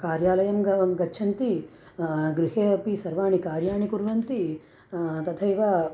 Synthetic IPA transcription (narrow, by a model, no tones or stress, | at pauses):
kaːɾjaːlɐjɐmɡɐɡɐt͡ʃʰɐnt̪i | ɡɾiɦeːɐpisɐɾʋaːɳikaːɾjaːɳikuɾʋɐnt̪i | t̪ɐt̪ʰɐjʋa